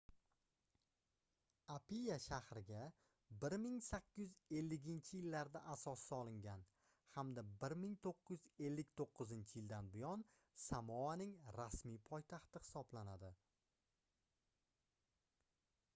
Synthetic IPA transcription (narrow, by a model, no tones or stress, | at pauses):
apijaʃahɾɪɡʲa | bɪɾmɪŋsakʲːɪjʏze̞lːɪɡʲɪnt͡ʃʰɪjɪlːaɾd̪aʔasɒsːɒlˠɪŋɡʲan | hamd̪abɪɾmɪŋt̪ʰoqʰːʊjyze̞lːɪkʲt̪ʰoqʰːɨzɪnt͡ʃʰɪjɪld̪anbʊjɒn | samɒanɪŋɾasmijpʰɒjt̪ʰaχt̪ɪhɪ̥sɒblanad̪ɪ